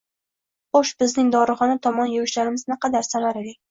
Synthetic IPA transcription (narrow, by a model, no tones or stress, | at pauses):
χoʃbɪznɪŋd̪ɒɾɨχɒnat̪ʰɒmɒnjʊwɪʃlaɾɪmɪznɨqɑd̪aɾsanaɾed̪ɪk̚ʲ